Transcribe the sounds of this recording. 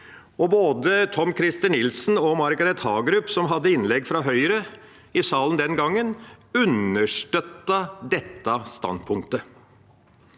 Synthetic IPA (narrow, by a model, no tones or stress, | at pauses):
ɔboːd̪ət̪ʰɔmkʰɾɪst̪ənɪlsn̩ɔmɑɾɡɑɾɛt̪hɑːɡɾʉpːsɔmɦɑd̪ːəɪnlɛɡːfɾɑɦœʏɾə | ɪsɑːlənd̪ɛnɡɑŋːənʉnəʂʈœt̪ːɑd̪ɛt̪ːɑst̪ɑ̰npʰʊŋkt̪ə